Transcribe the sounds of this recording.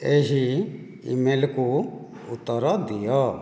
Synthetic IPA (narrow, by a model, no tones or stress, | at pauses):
eɦi | ḭmelku | ut̪ːɔɾɔd̪ijɔ